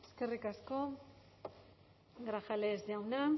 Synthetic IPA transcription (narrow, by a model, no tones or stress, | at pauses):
eske̞rikasko̞ | ɡɾaxaleːzd̪iawna